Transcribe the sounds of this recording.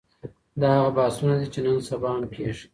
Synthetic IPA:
d̪ɑhaɣabɑsunad̪it͡ʃenənsabɑampʰeʂi

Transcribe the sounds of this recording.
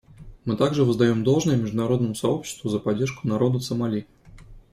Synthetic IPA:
mɨt̪aɡʐɨvɨzd̪ɐjomd̪olˠʐnɨjəmʲɪʐd̪ʊnaɾod̪nəmʊsaopɕːɪ̥st̪vʊzəpɐdʲːerʂkʊ̥naɾod̪əsəmalʲi

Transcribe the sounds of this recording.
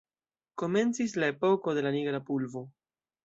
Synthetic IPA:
ko̞me̞nt͡sis̬lae̞po̞ko̞de̞laniɡɾapulvo̞

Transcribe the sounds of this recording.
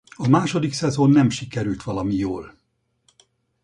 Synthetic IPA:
ɒmaːʃo̞d̪iksɛzo̞nːɛmʃikɛɾylt̪ʋɒlɒmijoːl

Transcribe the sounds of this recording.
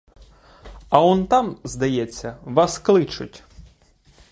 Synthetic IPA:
ɐɔnt̪ɑmzd̪ɐjɛt͡sʲːɐʋɑsklˠɪt͡ʃʊtʲ

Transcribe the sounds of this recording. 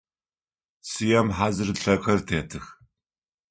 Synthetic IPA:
sɨjɐmħazɨrɬɐkʷʰɐrtʰeːtʰɨx

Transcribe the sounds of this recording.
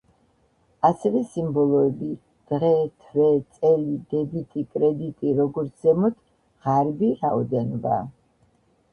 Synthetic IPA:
asɛvɛsimbɔlˠɔɛbi | d̪̥ʁɛt̪ʰvɛt̪sʼɛlid̪ɛb̪it̪ʼikʼɾɛd̪it̪ʼiɾɔɡɔɾt̪sʰzɛmɔt̪ʰ | ʁaɾbiɾaɔd̪ɛnɔba̰

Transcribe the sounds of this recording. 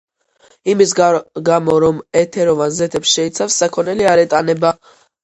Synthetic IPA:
imis̬ɡamɔɾɔmɛt̪ʰɛɾɔvanzɛt̪ʰɛpsʃɛit̪sʰafsːakʰɔnɛliaɾɛt̪ʼanɛba

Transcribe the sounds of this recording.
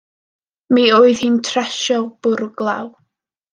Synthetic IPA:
mioːɨðhintʰrɛʃɔb̥ʊɾɡlˠa̰w

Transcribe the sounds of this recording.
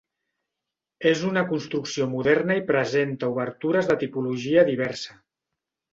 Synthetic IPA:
ezunəkunst̪ɾuksiomuðɛɾnəipɾəzent̪əuβəɾt̪uɾəzðət̪ipuluʒiəðiβ̞ɛɾsə

